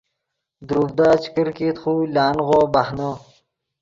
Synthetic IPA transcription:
d̪ɾubd̪aːt͡ɕi̥kəɾkiːt̪χulaːnʁoːbahno

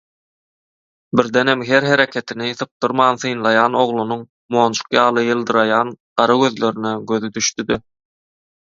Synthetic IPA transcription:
biɾd̪enhemɦe̞ɾɦe̞ɾe̞kʰe̞t̪ʰiniθɯp̚d̪ɯɾmɑːnθɯjnlˠɑjɑːno̞ʁlˠunuŋ | mo̞ːnt͡ʃʰu̥qjɑːlˠɯjɯlˠd̪ɯɾɑjɑːnɢ̥ɑɾɑɡø̞ðlø̞ɾineɡø̞ðyd̪yʃt̪yd̪i

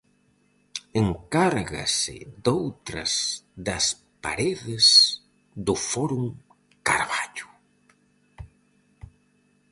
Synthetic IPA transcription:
eŋkaɾɣa̰sɪ̰ðowt̪ɾɐ̰zðɐs | pa̰ɾeðɪs | ðʊfɔɾuŋ | kaɾβaʎʊ̥

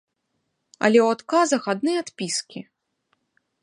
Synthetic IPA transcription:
ɐ̰lʲɛwat̪kazɐxad̪nɨat̪pʲiskʲi

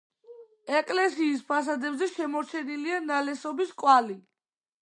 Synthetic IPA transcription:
ɛkʼlɛsiːspʰas̬ad̪ɛbzɛʃɛmɔɾt͡ʃʰɛnilianalɛsɔbiskʼwali

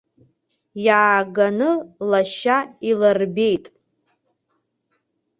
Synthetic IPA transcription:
jaːɡanɨlaʃailarbe̞jtʼ

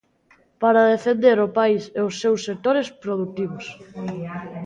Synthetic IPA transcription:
paɾaðefend̪eɾopaisɛosːewsːek̚t̪oɾespɾoðuk̚t̪iβʊs

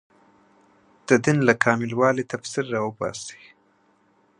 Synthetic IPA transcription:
d̪̥əd̪ɪnlakʰɑmɪlwɑlit̪afsiɾːɑwəbɑ̰si̥

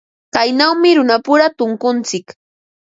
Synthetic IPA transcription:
kajnawmɪɾʊnapʊɾat̪ʊŋkʊnt͡sɪk

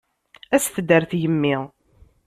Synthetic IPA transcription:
æsθd̪əɾθjəmːɪʁ

